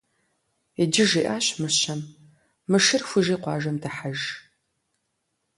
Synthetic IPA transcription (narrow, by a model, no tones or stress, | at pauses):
ed͡ʒɪʒiːʔaːɕmɨɕɐmː | ɨʂɨrxʷʊʒiːqʷɑːʒɐmdɐħaʒ